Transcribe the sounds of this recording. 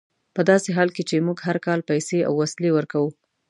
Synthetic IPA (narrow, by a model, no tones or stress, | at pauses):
pəd̪ɑseɦɑlket͡ʃemuɡɦaɾkɑlpajsea̰wːaslewəɾkawu